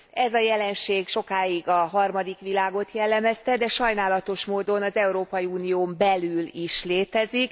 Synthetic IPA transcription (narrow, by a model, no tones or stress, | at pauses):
ɛzɒjɛlɛnʃeːɡʃo̞kaːiɡɒɦɒrmɒd̪ikʋilaːɡo̞t̪jɛlːɛmɛst̪ɛd̪ɛʃɒjn̪aːlɒt̪o̞ʃmoːd̪o̞nɒzɛuɾoːpɒjiuːnijoːmbɛlyliʃleːt̪ɛzik